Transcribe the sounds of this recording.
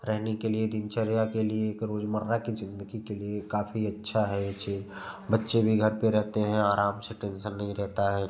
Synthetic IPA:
ɾɛɦnekelied̪ɪnt͡ʃəɾjakelieːkɾoːd͡ʒməɾːakizɪ̃nd̪əɡikeliekaːpʰiɐtːʃʰaɦɛjet͡ʃiːd͡ʒbətːʃebʱiɡʱɐɾpeɾɛɦt̪eɦɛ̃aːɾaːmseʈɛ̃nʃənːɐɦĩɾɛɦt̪aɦɛː

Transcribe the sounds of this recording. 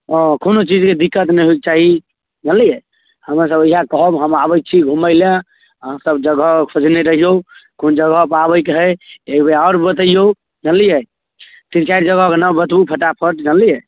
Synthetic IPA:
ɔ̃konot͡ʃid͡ʒked̪ikːət̪nɛjɦoik̚t͡ʃaɦi | d͡ʒənlijɛ | həmɾas̬əbəiɦakɔɦɔbɦəmabəj̚t͡ʃʰiɡʱuməɪlã | səbd͡ʒəɡəkʰod͡ʒneɾəɦijokond͡ʒəɡəpabəjkɦəebeaːɾbət̪əijo | d͡ʒənlijɛ | t̪ĩnt͡ʃaiɾd͡ʒəɡəkenəbət̪bupʰəʈapʰəʈd͡ʒənlijɛ

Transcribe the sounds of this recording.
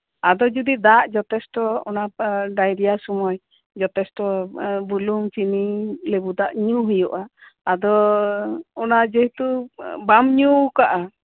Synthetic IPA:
ad̪ɔd͡ʒud̪id̪aʔd͡ʒɔt̪ɛsʈɔɔnaɖajɾijasɔmɔj | d͡ʒɔt̪ɛsʈɔbulumt͡ʃinilebud̪aʔɲuɦujɔʔaː | d̪ɔ | ɔnad͡ʒeɦt̪ubamɲukaʔa

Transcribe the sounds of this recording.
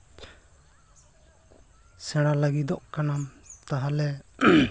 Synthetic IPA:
sɛɽ̃alaɡid̪ɔʔkanamt̪aɦalɛ

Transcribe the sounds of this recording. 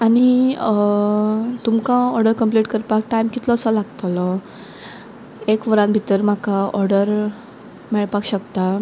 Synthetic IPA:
añi | t̪umkãɔɾɖəɾkəmpliʈkəɾpak̚ʈaimkit̪lɔːsɔlaɡt̪lɔ | ekʋəɾãnbʱit̪əɾm̤akaɔɾɽəɾ | mɛɭpakɕəkt̪a

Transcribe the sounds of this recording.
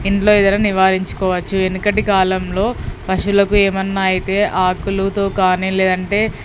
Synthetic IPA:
iɳʈlo̞ːid̪ɐnɐːniʋaːɾiɲt͡ʃu̥kɔːʋɐt͡ʃːuenːikɐʈikaːlɐmlo̞ːpɐʂulɐkueːmɐnːaːjit̪e̞ːʔaːkulut̪o̞ːkaːniːle̞ːd̪ɐɳʈe̞ː

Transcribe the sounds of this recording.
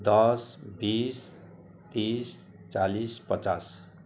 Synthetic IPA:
d̪ʌsbis | t̪is | t͡salispʌt͡sas

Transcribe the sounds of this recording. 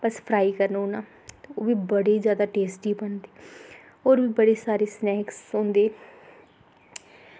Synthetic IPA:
bəspʰɾaːikəɾnoːnaː | t̪oːbiːbəɽeːzjaːd̪aːʈeːsʈiːbənd̪eː | oːɾbiːbəɽeːsaːɾeːsnɛːksõːnd̪eː

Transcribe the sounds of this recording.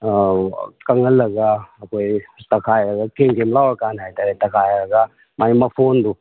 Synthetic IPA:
kɐŋɐlːɐɡaːkʰojtɐkʰajɾɐɡakeŋkemlawɐkanɦajtaɾetɐkʰajɾɐɡa | majmɐpʰondu

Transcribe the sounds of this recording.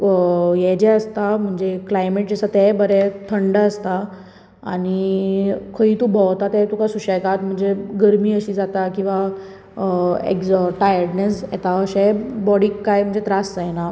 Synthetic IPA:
jɛd͡ʑɛəst̪am̤əɳd͡zeklajmeʈ̚d͡zəsat̪ɛbəɾɛt̪ʰəɳɖəst̪a | a̰ñi | kʰəiːt̪ubɔwt̪at̪ɛt̪ukasuɕɛkat̪m̤əɳd͡zeɡəɾmiːəɕiːd͡zat̪akĩw̃ʋa | ḛɡzʈajəɾɽnesjɛt̪aəɕɛbɔɽiːkːajm̤əɳd͡zet̪ɾasd͡zajna

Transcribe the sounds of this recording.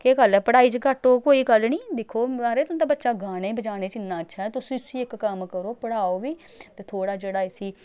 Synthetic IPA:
keːkəlɛːpəɽaːiːt͡ʃkəʈoːkoːiːɡəlniːd̪ɪkʰːoːaːɾeːt̪ʊ̃t̪aːbətːʃaːɡaːɽeːbəd͡ʒaːneːt͡ʃɪnːãːətːʃʰaːɛt̪ʊsĩːsĩːɪkːəmkəɾoːpəɽaːoːʋiː | t̪eːt̪ʰoːɽaːd͡ʒeːɽaːɪsiː

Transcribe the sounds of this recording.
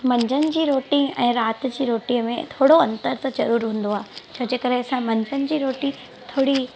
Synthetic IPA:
mɐ̃ɲd͡ʑənɪ̆d͡ʑiːɾoːʈĩɛ̃ːɾaːt̪ɪ̆d͡ʑiːɾoːʈiːəmẽt̪ʰoːɽoɐ̃nt̪əɾt̪əd͡ʑɐɾuːɾɦũːn̆d̪oaːɦt͡ɕʰɐd͡ʑeːkɐɾesãmɐ̃ɲd͡ʑʱənɪ̆d͡ʑiːɾoːʈi | t̪ʰoːɽi

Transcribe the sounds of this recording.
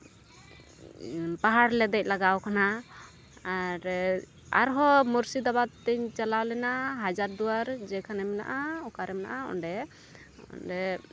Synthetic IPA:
baɦaɾlɛd̪ɛc̚laɡawkana | aɾ | a̰ɾɦɔmuɾsid̪abat̪ːɛɲt͡ʃalawlɛnaɦad͡ʒaɾd̪uwaɾd͡ʒɛkʰanɛmɛna̰ʔaɔkaɾɛmɛna̰ʔaɔ̰nɖɛ | ɔ̰nɖɛ

